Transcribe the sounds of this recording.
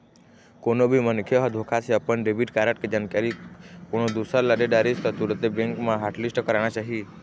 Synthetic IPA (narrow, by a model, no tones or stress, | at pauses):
konobʱimənkʰjoɦɔd̪ʱokʰaseəpəɳɖebiɖkaɾəʈked͡ʒankaɾikoɳ̃od̪usəɾləɖeɖaɾist̪ɔt̪uɾət̪ebẽŋkmãɦaɾʈlisʈkəɾaɳ̃at͡ʃaɦi